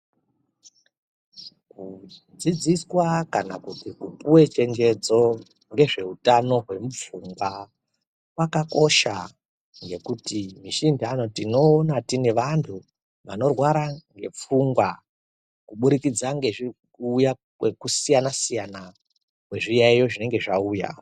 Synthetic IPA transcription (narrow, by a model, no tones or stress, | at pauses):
kud͡zid͡ziswakana̰kutikupuwe̞t͡ʃe̞nd͡ʒe̞d͡zo̞ | ŋɡe̞ʐe̞utano̞ɦwe̞mup͡fuŋɡwa | wakako̞ʃa | ŋɡe̞kutimiʃindiano̞tino̞ːnatine̞ʋantʰu | ʋano̞rwaɾaŋɡe̞p͡fuŋɡwa | kuɓuɾikid͡zaŋɡeʐi | uːja | wekusijanasijana | we̞ʐijaijo̞ʐine̞ŋɡe̞ʐauːja̰